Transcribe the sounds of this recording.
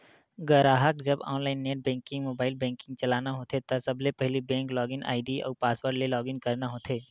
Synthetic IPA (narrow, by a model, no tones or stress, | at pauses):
ɡɐɾaːɦəkd͡ʒɐbɔ̰̃ːnlaːɪnːeːʈ̚bɛ̃ːŋkɪ̃ŋɡmoːbaːɪlbɛ̃ːŋkɪ̃ŋɡ̚t͡ʃɐlaːnaɦoːt̪et̪ɐsɐblepɛɦlibɛ̃ːŋklɔːɡɪ̃nʔa̰ːɪɖiɔ̰ːɾpaːswəɾɖlelɔːɡɪ̃ŋɡkɐɾnaɦoːt̪ʰeː